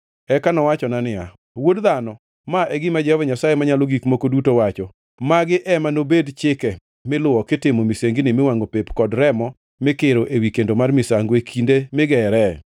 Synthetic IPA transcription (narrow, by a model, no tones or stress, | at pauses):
ɛkanɔwat͡ʃɔnanɪa̰ | wodðanɔ | maʔɛɡɪmad͡ʒɛɔvɲasajemaɲaloɡikmokodutowat͡ʃɔ | maɡɪʔɛmanobedt͡ʃɪkɛ | mɪlʊwɔkɪtɪmomiseŋɡɪnɪmɪwaŋɡopepkɔdɾɛmɔ | mɪkɪɾoʔewikendomarmɪsaŋɡwekʰindemɪɡɛɾɛ